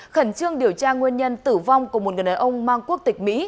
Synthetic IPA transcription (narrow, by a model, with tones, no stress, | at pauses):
xə˧˩nt͡ɕɨ˧əŋɗi˨˩əwt͡ɕaː˧ŋwi˧ənɲə˧nt̪ɨ˧˩va˧wŋ͡mku˧˩m˨˩t̚ŋɨ˨˩ɗaː˨˩ʔə˧wŋ͡mmaː˧ŋku˦˥ək̚t̪ï˨˩k̟̚mḭ˧˥